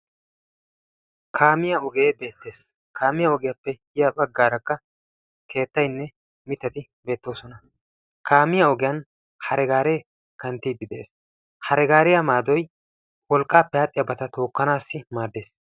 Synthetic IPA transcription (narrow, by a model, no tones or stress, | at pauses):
kʰaːmɪjɐɔɡe̞ːbe̞ːt̪ːe̞ːs | kʰaːmɪjɐɔɡɪjɐpːɛ | ɪjɐbɐɡːaːɾɐkːɐ | kʰe̞ːt̪ːɐjnːɛ | mɪt̪ːɐt̪ɪ | be̞ːt̪ːo̞ːsɔnɐ | kʰaːmɪjɐɔɡɪjɐn | hɐɾɛɡaːɾeː | kɐnt̪ːiːd̪ːɪd̪ɛʔḛːs | hɐɾɛɡaːɾɪjɐmaːd̪ɔj | wɔlkʼːaːpːɛhɐːt̪ʼːɪjɐbɐt̪ɐt̪o̞ːkːɐnaːsːɪmaːd̪ːe̞ːs